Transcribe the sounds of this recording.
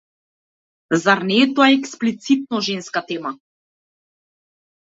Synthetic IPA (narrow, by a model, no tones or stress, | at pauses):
zaɾnɛːt̪oaɛksplit̪sit̪̚nɔʒɛnskat̪ɛma